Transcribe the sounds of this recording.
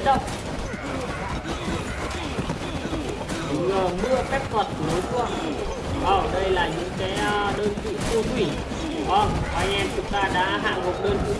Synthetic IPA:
ə˧˩t̚ | zəː˨˩mɨ̰˧˥ət̪ɛ˦˥p̚kə˨˩t̚noː˨˦jtu˧˨ə | ʔəː˧˩ɗə˧jlaː˨˩ɲɨ̰˧˥ŋkaː˨˦jɗəː˧nvḭ˧˨tu˧kwi˧˩ | ʔɔ˧˩ʔa˧jŋʔɛ˧mt͡ɕɨ˨˦kt̪aː˧ɗa̰ː˧˥ɦa̰ː˧˨ŋmo˨˩t̚ɗəː˧nk

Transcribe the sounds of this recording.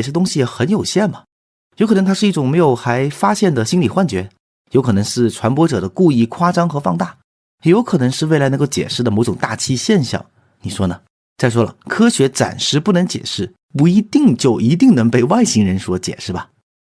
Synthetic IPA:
ɛ˩ʂɻ̩˥˩t̪ʊ˥ŋɕi˨jɛ˨˩xə˧˥njo˨˩ʊɕjɛ˥˩nmɐ˩ | jo˧˥kʰɤ˨˩n˧˥ŋt̪ʰʂɻ̩˥˧i˥˩ʈ͡ʂʊ˨˩ŋme˧˥ɪjo˨˩ʊxa˧˥ɪfa˥ɕjɛ˥˩nd̪ə˩ɕi˥nli˨˩xwa˥˩nt͡ɕɥɛ˧˥ | jo˧˥kʰɤ˨˩nɤ˧˥ŋʂɻ̩˥˩ʈ͡ʂʰwa˧˥npwɔ˥ʈ͡ʂɤ˨˩d̪ə˦ku˥˧i˥˩kʰwa˥ʈ͡ʂɑ˥ŋxɤ˧˥fɑ˥˧ŋt̪a˥˩ | jo˧˥ʊkʰɤ˨˩nɤ˧˥ŋʂɻ̩˥˧wɪla˧˥n˧˥ko˥˧ʊt͡ɕjɛ̰˨˩ʂɻ̩˥˩d̪ə˩mo˧˥ʊʈ͡ʂʊ˨˩ŋt̪a˥˩t͡ɕʰi˥ɕjɛ˥˧nɕjɑ̰˥˩ŋ | ni˨˩ʂwɔ˥nə˨˩ | t͡sa˥˩ɪʂ̬wɔ˥lə̰˨˩kʰɤ˥ɕɥɛ˧˥ʈ͡ʂa̰˨˩nʂɻ̩˥˧pu˥˩nɤ˧˥ŋt͡ɕjɛ̰˨˩ʂɻ̩˥˩ | pu˧˥i˧˥t̪i˥˩˧ŋt͡ɕjo˥˩ʊʔi˧˥t̪̬i˥˩ŋnɤ˧˥ŋpe˥˧ɪwa˥˩ɪɕi˧˥ŋɻə˧˥nʂwɔ˥t͡ɕjɛ̰˨˩ʂɻ̩˥˩bɐ˨˩

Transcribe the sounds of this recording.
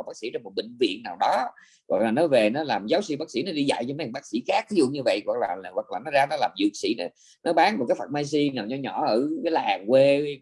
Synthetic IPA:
ɓaː˦˥k̚sḭ˧˥˦t͡ɕɔ˧mo˨˩t̚ɓï˧˨ŋ̟vḭ˧˨ənːaː˨˩wɗɔ˨˦ | ɣwa̰˨˩k̚laː˨˩nɔ˨˦ve˨˩nɔ˨˦laː˨˩mzaː˨˦wsḭ˧˩ɓaː˦˥k̚sḭ˧˥˦nɔ˨˦ɗi˧za̰˧˨jt͡ɕɔ˧m˨˦˨ɓaː˦˥k̚sḭ˧˥xaː˦˥k̚t̪ʰi˨˦zṵ˧˨ɲɨ˧və̰˧˨jɣwa˨˩k̚laː˨˩˨ɣwa˨˩laː˨˩nɔ˨˦zaː˧nɔ˨˦laː˨˩mzɨ̰˧˨ək̚sḭ˧˩˥nɔ˨˦ | nɔ˨˦ɓaː˨˦nmo˨˩t̚kaː˨˦jfə˨˩t̚maː˧jsi˧naː˨˩wɲɔ˧˦ɲɔ˧˩ʔəː˧˩kːjlaː˨˩ŋkwe˧

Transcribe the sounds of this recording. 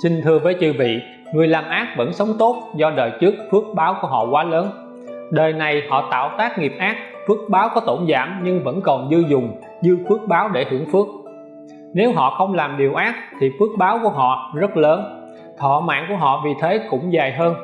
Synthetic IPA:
sï˨˩ŋ̟t̪ʰɨ˨˩əvəː˨˦jt͡ɕɨ̰˧˩vḭ˧˨ | ŋɨ˨˩əjlaː˨˩mʔaː˦˥k̚və̰˧˥nsə˨˦wŋ͡mt̪o˦˥t̚zɔ˧ɗəː˨˩jt͡ɕɨ˦˥ək̚fɨ˦˥ək̚ɓaː˨˦wku˧˩əɦɔ̰˧˨kwaː˨˦ləː˨˦n | ɗəː˨˩jna˨˩jhɔ̰˧˨t̪a̰ː˧˨wt̪aː˦˥k̚ŋi˨˩əp̚ʔaː˦˥k̚ | fɨ˦˥ək̚ɓaː˨˦wkɔ˨˦t̪o˧˩nza̰ː˧˩mɲɨ˧ŋvə̰˧˥nkɔ˨˩nzɨ˧zʊ˨˩ŋ͡m | zɨ˧fɨ˦˥ək̚ɓaː˨˦wɗe˧˩hɨ˧˩əŋfɨ˦˥ək̚ | ne˨˦wɦɔ̰˧˨xə˧wŋ͡mlaː˨˩mɗi˨˩əwʔaː˦˥k̚t̪ʰi˨˩fɨ˦˥ək̚ɓaː˨˦wku˧˩əɦɔ̰˧˨zə˦˥t̚ləː˨˦n | t̪ʰɔ̰˧˨ma̰ː˧˨nku˧˩əɦɔ̰˧˨vi˨˩t̪ʰe˨˦kʊ̰˧˥ŋ͡mzaː˨˩jɦəː˧n

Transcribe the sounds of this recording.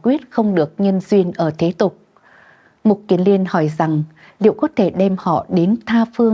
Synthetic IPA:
kwi˦˥ət̚xə˧wŋ͡mɗɨ˨˩ək̚ɲə˧nzwi˧ənʔəː˧˩t̪ʰe˨˦t̪ʊ˨˩k͡p̚ | mʊ˨˩t̚ki˨˦ənli˧ənhɔ˧˩jza˨˩ŋ | lḭ˧˨ə˨wkɔ˨˦t̪ʰe˧˩ɗɛ˧mhɔ̰˧˨ɗe˨˦nt̪ʰaː˧fɨ˧ə

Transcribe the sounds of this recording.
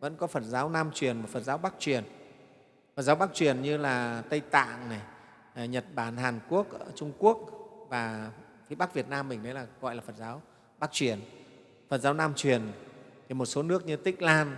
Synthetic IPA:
və̰˧˥nkɔ˨˦fə˨˩n̚zaː˨˦wnaː˧mt͡ɕwi˨˩ənma˨˩fə˨˩t̚zaː˨˦wɓa˦˥k̚t͡ɕwi˨˩ən | fə˨˩t̚zaː˨˦wɓa˦˥k̚t͡ɕwi˨˩ənɲɨ˧laː˨˩t̪ə˧jt̪a̰ː˧˨ŋna˨˩˨ | ɲə˨˩t̚ɓaː˧˩nhaː˨˩nku˦˥ək̚ʔəː˧˩t͡ɕʊ˧ŋ͡mku˦˥ək̚vaː˨˩ | fi˨˦ɓa˦˥k̚vi˨˩ət̚naː˧mɓï˨˩ŋmə˨˦jlaː˨˩ɣɔ̰˧˨jlaː˨˩fə˨˩t̚zaː˨˦w | ɓa˦˥k̚t͡ɕwi˨˩ən | fə˨˩t̚zaː˨˦wnaː˧mt͡ɕwi˨˩ənt̪ʰi˨˩mo˨˩t̚so˨˦nɨ˦˥ək̚ɲɨ˧t̪ï˦˥k̟̚laː˧n

